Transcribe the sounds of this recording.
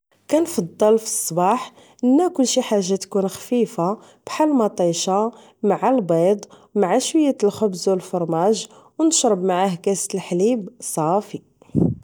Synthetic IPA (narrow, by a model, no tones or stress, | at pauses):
kænfɑd̪ˤːɑlfi̥sˤːbɑħ | ʔənːækʊlːʃiħaʒːat̪kunxfifa | b̥ħalmɑt̪ˤiʃa | maʕalbɑd̪ˤwmaʕaʃwəjːælxʊbzulfoɾˤmæʒ | wnəʃɾˤəbmaʕahkæst̪əlħlibsˤɑfi